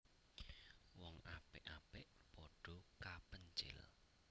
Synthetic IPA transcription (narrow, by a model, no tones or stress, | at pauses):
wɔŋapɪʔapɪʔpɔɖ̥ɔ̤kapəɲt͡ʃɪ̰l